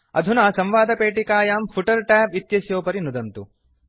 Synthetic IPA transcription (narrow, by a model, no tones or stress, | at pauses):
ɐ̰d̪ʱunasɐmʋaːd̪ɐpeːʈikaːjaːmpʰuʈɐɾʈaːpit̪jɐsjoːpɐɾinud̪ɐnt̪u